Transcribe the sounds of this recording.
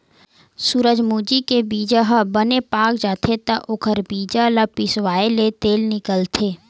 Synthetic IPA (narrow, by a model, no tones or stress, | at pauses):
suːɾəd͡ʒmuːd͡ʒikebiːd͡ʒaɦəbənepaːkd͡ʒaːt̪ʰet̪ɐʔʊkʰəɾbiːd͡ʒalapɪswaːelet̪eːlnɪkəlt̪ʰeː